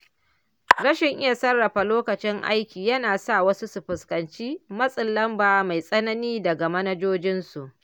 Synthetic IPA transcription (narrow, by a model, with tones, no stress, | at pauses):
ɾɐ˦ʃɪ˨ŋʔɪ˦ja˨sɐ˦rːɐ˨ɸa˨loː˦kɐ˨t͡ʃɪ˦ŋʔa̰˦jkʲiː˨jɐ˦naː˨sa˦˨wɐ˦su˦su˨ɸɪ˨skɐ˨nt͡ʃiː˦mɐ˦sʼɪ˨lːɐ˦mbaː˨˦ma˨jsʼɐ˦nɐ˦niː˦dɐ˨ɡa˨mɐ˦nɐ˦d͡ʒoː˦d͡ʒɪ˦nsu˨ʔ